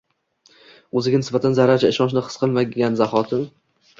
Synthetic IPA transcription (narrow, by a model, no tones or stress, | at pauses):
ɵzɪɡʲanɪsbat̪ʰanzaɾad͡ʒaɪʃɒnʃ̬nɪqʰɨ̥sqʰɨlˠmaanzaχɒt̪ʰɪm